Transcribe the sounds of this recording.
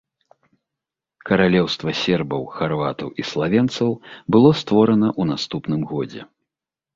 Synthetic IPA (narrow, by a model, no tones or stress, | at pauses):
kɐɾalʲɛwst̪vɐsʲɛrbɐwxarva̰t̪ɐwislˠavʲɛnt̪sɐwbɨlˠɔst̪vɔɾɐnɐʔunast̪upnɨmɣɔd͡zʲɛ̰